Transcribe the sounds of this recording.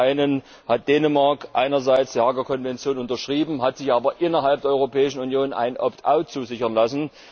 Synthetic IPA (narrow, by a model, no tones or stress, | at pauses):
aɪnən | hat̚d̥ɛːnəmaɐkʔa̰ɪnɐzaɪt͡sd̥iːhaɡəɐkʰɔnvɛnt͡sjoːnʊntɐʃʁ̥iːbm̩ɦatz̥ɪçʔaːbɐʔɪnɐɦalpd̥eːɐɔʏʁopɛːɪʃn̩unjoːnʔa̰ɪnʔɔ̰ptʰʔa̰ʊt̚t͡suːzɪçɐnlasn̩